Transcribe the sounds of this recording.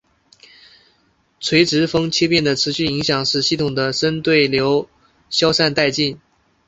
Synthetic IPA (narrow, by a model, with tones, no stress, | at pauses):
t͡sʰwe˧˥ɪʈ͡ʂɻ̩˧˥fɤ˥ŋt͡ɕʰjɛ˥pjɛ˥˩nd̪ə˩ʈ͡ʂʰɻ̩˧˥ɕy˥˩i˧˥ŋɕjɑ˨˩ŋʂɻ̩˥˧ɕi˥˩t̪ʰʊ˨˩ŋd̪ə˦ʂə˥nt̪we˥˩ɪljo˧˥ʊ | ɕjɑ˥ʊʂa˥˧nt̪a˥˧ɪt͡ɕi˥˩n